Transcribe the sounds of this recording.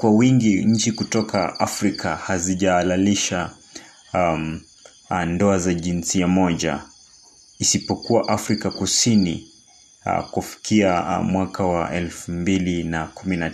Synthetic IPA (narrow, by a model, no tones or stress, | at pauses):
kwawiŋɡiɲ̩t͡ʃikutɔka̰afɾikahaziʄaːlaliʃa | ndɔazaʄinsiamɔʄa̰ | isipɔkuwaʔafɾikakusinḭ | kufi̥kiamwakʰawaʔɛlfumbilinakumina